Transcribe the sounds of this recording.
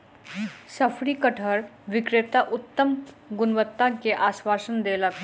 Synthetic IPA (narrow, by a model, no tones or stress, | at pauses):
sɐfʰɾikəʈʰəɾʋɪkɾɪt̪aʔʊt̪ːəm | ɡʊnʋət̪ːãkeʔaːswaːsənd̪eːlək